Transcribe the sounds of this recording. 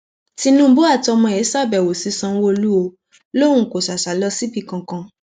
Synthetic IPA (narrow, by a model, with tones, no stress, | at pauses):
ti˧nũ˦bo˦a˦˨tɔ˧mɔ̃˧˨ɛ˨˦sa˦˨bɛ˨wo˨si˨˦sã˧˦wo˧lu˦o˧ | lõ˦ũ˦˨ko˨sa˨sa˨˦lɔ˧si˦bi˦˨kã˧kã˧